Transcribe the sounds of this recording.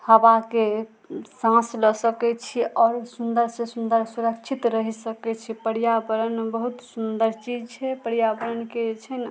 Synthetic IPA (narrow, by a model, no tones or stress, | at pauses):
həbake | sãsləsəkɛt͡ʃʰiʔɔːɾsund̪əɾsẽsund̪əɾsuɾəkt͡ʃʰit̪ɾəɦisəkɛt͡ʃʰipəɽijabəɾənbəɦut̪sund̪əɾt͡ʃid͡ʒt͡ʃʰɛpəɽjabəɾənket͡ʃʰɛn